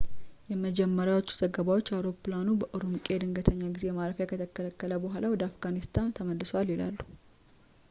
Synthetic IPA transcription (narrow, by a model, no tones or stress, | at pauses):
jɛməd͡ʒɛmːəɾjawo̞t͡ʃːu̥z̥əɡəβawo̞t͡ʃːawɾo̞planubəʔoɾumkʼe̞d̪ɨŋɡət̪ʰəɲːaɡize̞maɾəfjakʰət̪ʰəkːələkːələbəɦʷalawɔd̪əafɡanist̪ʰant̪ʰəməlːɨsoalːjɪla̰lːu̥